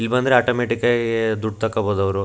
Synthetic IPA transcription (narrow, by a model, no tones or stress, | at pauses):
ilːbɐnd̪ɾeaːʈoːmeːʈikaɡed̪uɖ̚t̪ɐkːɐboːd̪ɐʋɐɾu